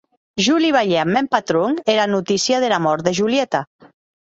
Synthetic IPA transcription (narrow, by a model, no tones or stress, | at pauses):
ʒuliβ̞aʎeamːɛmpat̪ɾoŋeɾanut̪isjaðelamɔɾt̪d̪eʒuljet̪a